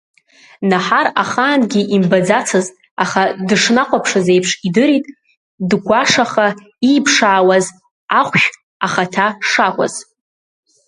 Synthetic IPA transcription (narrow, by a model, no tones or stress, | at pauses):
naħaraχaːnɡʲiʔimbad͡zat͡sʰɨz | aχadɨʂnaqʷʼapʰʂazejpʰʂidɨɾitʼ | dɡʷaʂaχa | iːpʰʂaːwaz | aχʷʃᶣ | aχatʰaʂakʷʼa̰z̥